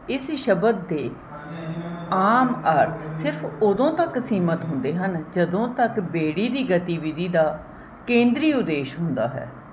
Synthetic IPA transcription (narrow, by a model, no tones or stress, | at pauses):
ɪsʃəbəd̪̚ːeː | aːməɾt̪ʰsɪɾpʰʊd̪õːt̪əksiːmət̪ɦʊ̃nd̪eːɦənd͡ʒəd̪õːt̪əkbeːɽiːd̪iːɡət̪iːʋɪd̪iːd̪aː | kẽːnd̪ɾiːʊd̪eːʃɦʊnd̪aːɦɛ̰ː